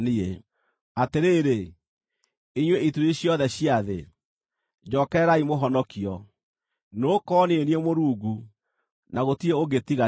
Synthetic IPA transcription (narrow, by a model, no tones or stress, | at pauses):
nie | ateɾeːɾe | iɲweituɾiɕjɔðɛɕiaðḛ | d͡ʒɔːkɛɾaimoɦɔnɔkiɔ | noːkɔːneeniemoɾuːɡu | naɣotieoɣetiɣa